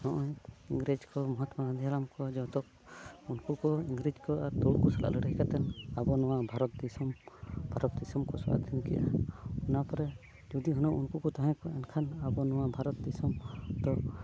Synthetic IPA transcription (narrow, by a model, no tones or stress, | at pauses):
nɔʔɔɲiŋɡɾed͡ʒkɔmɔɦɔt̪maad̪ʱjaɾamkɔd͡ʒɔt̪ɔk̚ | unkukɔiŋɡɾid͡ʒkɔaɾt̪ɔɽkɔsalʔa̰ʔləɽɦkat̪ɛnabɔnɔwabʱaɾɔt̪̚d̪ɛsɔmbʱaɾɔt̪̚d̪ɛsɔmkɔsɔʔa̰d̪ʱinkɛ̰ʔa̰ɔnapɔɾɛ | d͡ʒɔd̪iɦɔnɔʔunkukɔt̪aɦɛ̃kɔɛnkʰanabɔnɔwabʱaɾɔt̪̚d̪ɛsɔmd̪̥ɔ